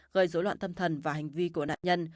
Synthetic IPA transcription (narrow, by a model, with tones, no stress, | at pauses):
ɣəː˨˩jzo˨˦lwa̰ː˧˨nt̪ə˧mt̪ʰə˨˩nvaː˨˩ha˨˩ŋ̟vi˧ku˧˩əna̰ː˧˨ʔɲə˧n